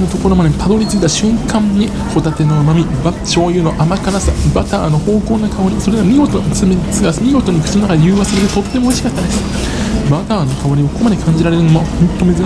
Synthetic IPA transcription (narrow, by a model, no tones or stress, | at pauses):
not̪o̞ko̞ɾo̞mad̪epad̪o̞ɾʲit͡sɨit̪ːaɕɨ̃ŋkãɲːi | ho̞t̪at̪e̞no̞mamʲibat͡ɕo̞ːjɯ̟ːno̞ʔamakaɾasa̰bat̪aːno̞ho̞ːko̞ːnakʰaoɾʲiso̞ɾeɡamʲiɡo̞t̪osɨmet͡sɨɡasmʲiɡo̞t̪o̞ɲ̟ikɯ̟̥ino̞nakad̪ejɯːβasɨɾeɾet̪o̞t̪ːe̞mo̞ːɕi̥kat̪ːanes | bat̪aːnokaoɾʲiβakomad̪e̞kʰãɲ̟d͡ʑiɾaɾe̞ɾɯ̟nomohõ̞nt̪ːo̞me̞zɨɾ